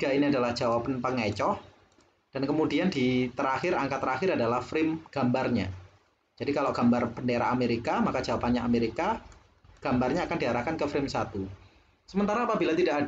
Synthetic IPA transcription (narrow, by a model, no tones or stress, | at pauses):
ɡainiadalahd͡ʒ̥awapanpəŋet͡ʃɔh | d̥ankəmudiandit̪əɾahɪɾaŋkat̪ːəɾaxɪɾadalahfɾɪmɡ̥a̤mbarɲa̰ | d͡ʒ̥adikaloʔɡ̥ambarpəndeɾa̰ameɾikamakad͡ʒawapanɲaʔameɾika | ɡ̥ambarɲaːkandiɦaɾahkankəfɾɪmsat̪u | səmənt̪aɾaːpabilat̪idaʔa